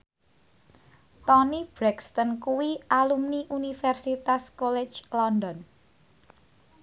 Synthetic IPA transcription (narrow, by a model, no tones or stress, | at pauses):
t̪ɔnib̥ɾɛkst̪ɔnkuwialumniʔunifɛrsit̪askɔlɛ̥d͡ʒlɔndɔn